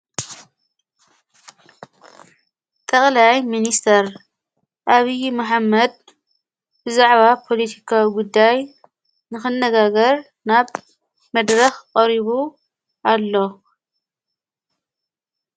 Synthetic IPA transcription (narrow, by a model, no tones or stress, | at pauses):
t̪ʼɐχʼlajminist̪ʰɐɾ | ʔaβijmɐħamːɐd̪̚ | bɨzaʕβapʰo̞lɐt̪ʰi̥kʰawiɡud̪ːaj | nɨxɨnːɐɡaɡɐɾ | naβ | mɐd̪ɾɐxqʼɐɾiβu | ʔalːo̞